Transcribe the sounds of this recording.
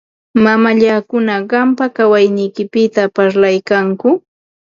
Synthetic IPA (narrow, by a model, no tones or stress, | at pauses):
mamaʎakʊnaɢɑmpakawajnɪjkɪpɪt̪apaɾlajkaŋkʊ